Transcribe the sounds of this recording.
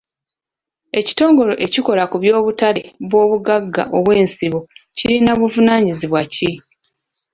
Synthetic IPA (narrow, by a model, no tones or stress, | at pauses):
e̞ci̥to̞ːŋɡo̞lo̞ʔe̞ciko̞lakuβjo̞ːβutaleβwo̞ːβuɡaɡːa̰ʔo̞βwe̞ːnsiβociɾinaβuvunaːɲiziβwaci